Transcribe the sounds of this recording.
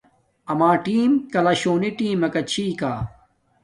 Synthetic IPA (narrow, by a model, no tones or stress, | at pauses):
ɐmaːʈiːmkɐlɐɕoːniʈiːmɐkɐt͡ɕʰiːkaː